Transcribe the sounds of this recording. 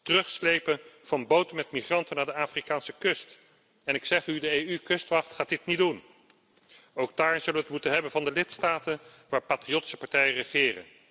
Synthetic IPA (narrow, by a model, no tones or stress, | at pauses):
tərɵχslejpənv̥ɑnbowtəmɛtmiχrɑntənaːɹdəaːfrikaːnsəkɵst | ɛnɪksɛχydəejykɵstʋɑχtχaːdɪtnidun | owɡ̚daːɹzɵləʋətmutənɦɛbənvɑndəlɪtstaːtənʋaːɹpaːtriowti̥sə̥pɑɹtɛjərəχɪːrə̰n